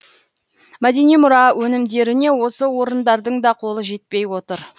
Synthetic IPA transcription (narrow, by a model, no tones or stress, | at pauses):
mæd̪e̞nijmʊɾɑwɵnɪmd̪e̞ɾɪne̞wo̞səwo̞ɾənd̪ɑɾd̪əɴd̪ɑqʰo̞lˠəʒe̞t̪̚pe̞jwo̞t̪əɾ